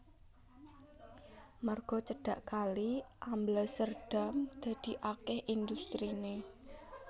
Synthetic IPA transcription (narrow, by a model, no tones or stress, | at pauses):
marɡ̥ɔ̤t͡ʃəɖ̥a̤ʔkaliʔambləsərɖ̥a̤md̪̥a̤d̪̥i̤ʔakɛhʔind̪ust̪ɾine